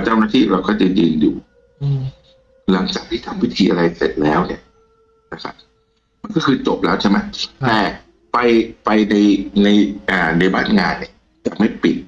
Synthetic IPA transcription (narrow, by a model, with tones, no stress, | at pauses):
t͡ɕa˥wnaː˥˩t̪ʰiː˥˩ɾa˧wkɔː˥˩t͡ɕa˨˧jɯː˧njṵː˨˩ | la˩˦ŋt͡ɕaː˨˩k̚t̪ʰiː˥˩t̪ʰa˧mwi˦˥t̪ʰiː˧ʔa˧ɾa˧jsḛ˨˩t̪̚lɛː˦˥wni˥˩ɐ | na˦˧˥kʰa̰˦˥p̚ | ma˧nkɔː˥˩kʰɯː˧t͡ɕo˨˩p̚lɛː˦˥wt͡ɕʰe˥˩ma˦˥t̪ɛː˨˩ | pa˧jpa˧jna˧jna˧jʔaː˨˩na˧jbaː˥˩nŋaː˧nːi˦˥˩ɐ | t͡ɕa˨˩ma˥˩jpi˨˩t̪̚